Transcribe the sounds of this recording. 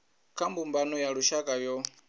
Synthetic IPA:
kʰambumbanɔjaɺuʃakʼajɔ

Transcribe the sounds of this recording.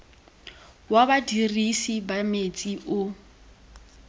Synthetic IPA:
wabadirisibamet͡sʼiʔʊ

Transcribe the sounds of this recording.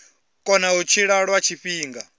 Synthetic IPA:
kʼɔnaut͡ʃʰiɺaɺwat͡ʃʰiɸiːŋɡa

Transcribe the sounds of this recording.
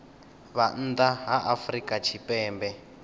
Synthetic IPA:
βan̩ːd̪aɦaʔafrikʼat͡ʃʰipɛːmbɛ

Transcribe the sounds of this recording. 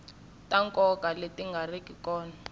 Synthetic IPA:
tʼaŋkʼɔkʼaletʼiŋɡʱarikʼikɔːna

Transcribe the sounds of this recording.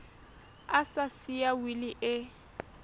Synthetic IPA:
asasiawilɪʔɪ

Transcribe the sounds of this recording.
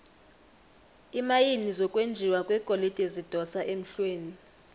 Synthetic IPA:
imajinizɔkʼwend͡ʒʱiwakʼwɛkʼolid̥ʱezid̥ʱɔsaʔem̩ɬweːni

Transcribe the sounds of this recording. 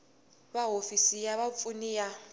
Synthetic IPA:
βaɦofisijaβap̪funija

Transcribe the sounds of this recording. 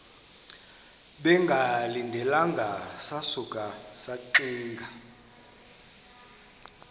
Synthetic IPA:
ɓɛŋɡʱalindʱɛlaŋɡʱasasukʼasaǃiːŋɡʱa

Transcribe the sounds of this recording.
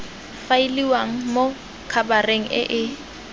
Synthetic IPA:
faɪliwaŋ̩mo | kʰabareŋ̩ʔɪ̰ʔɪ

